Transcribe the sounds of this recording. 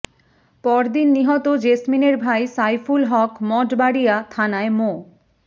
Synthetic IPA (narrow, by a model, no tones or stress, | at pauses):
pɔɾd̪inːiɦɔt̪od͡ʑesmineɾbʱajsajfulɦɔkmɔʈbaɽijat̪ʰanaemo